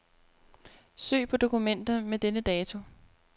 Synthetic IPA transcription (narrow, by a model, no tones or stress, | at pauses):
sø̰ːpʰɒ̽d̥o̝kumen̰d̥ɐmed̥enəd̥ɛːt͡sʰo̝